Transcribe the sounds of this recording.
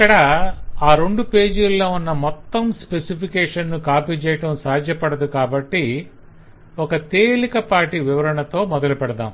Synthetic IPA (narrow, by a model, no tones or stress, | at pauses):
ɐkːɐɽɐaːɾoɳɖupe̞ːd͡ʒulːo̞ːunːɐmɔt̪ːɐmspesipʰikɛːʂɐnːukaːpiːt͡ʃɛjɐʈɐmsaːd̪ʱjɐpɐɽɐd̪ukaːbɐʈːi | ɔkɐt̪eːlikɐpaːɾʈiʋiʋɐɾɐɳɐt̪o̞ːmɔd̪ɐlupɛɽɐd̪a̰ːm